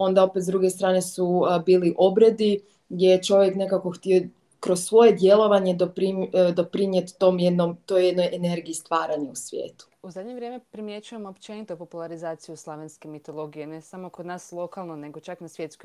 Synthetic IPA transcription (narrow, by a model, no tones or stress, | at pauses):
o̞nd̪ao̞pet̪zd̪ɾuɡe̞st̪ɾaːne̞subiːliʔo̞bɾe̞d̪i | ɡdʲje̞jet͡ʃo̞ʋje̞kne̞kako̞xt̪io̞ | kɾo̞ssʋo̞je̞d̪je̞lˠo̞ʋaɲe̞d̪opɾid̪o̞pɾinjet̪ːomjed̪nomt̪ojed̪no̞jʔene̞ɾɡiːst̪ʋaːɾaɲeusʋjḛːt̪u̥uzad̪ɲeʋɾjemepɾimjet͡ʃujemopt͡ʃenit̪opopulˠaɾizaːt̪sijuslˠaʋenskemit̪olˠo̞ɡijenesamokod̪naːslˠo̞kalˠnoneɡo̞t͡ʃaknasʋjet̪skoj